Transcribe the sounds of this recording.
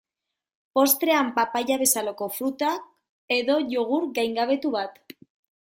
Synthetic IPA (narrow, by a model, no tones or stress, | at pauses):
po̞st̪ɾe̞ampapaʝaβe̞salako̞fɾut̪ak | e̞ðo̞ʝoɣ̞uɾɡajŋɡaβ̞e̞t̪uβat̪